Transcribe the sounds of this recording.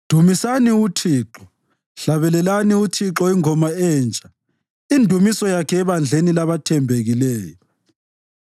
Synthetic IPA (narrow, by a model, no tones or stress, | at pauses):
d̥ʱumisaniutʰiːǁɔ | ɬaβɛlɛlaniutʰiǁɔiŋɔmaɛːnt͡ʃʼa | indʱumisɔjakʰɛːβand͡ɮʱenilaβatʰɛmbʱeɣilɛːjɔ